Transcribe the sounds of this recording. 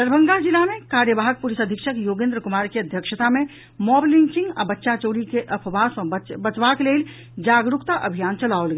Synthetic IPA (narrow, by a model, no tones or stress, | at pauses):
d̪əɾbʱə̃ŋɡad͡ʒilamekaɾjəbaɦək̚pulisəd̪ʱikʃʰəkjoɡẽnd̪ɾəkumaɾkeəd̪ʱjəkʃət̪ame | mɔblint͡ʃĩŋɡa̰bətːʃat͡ʃoɽikeʔəpʰbasə̃bət͡ʃbakelel | d͡ʒaɡɾukt̪aʔəbʱijant͡ʃəlaolɡɛ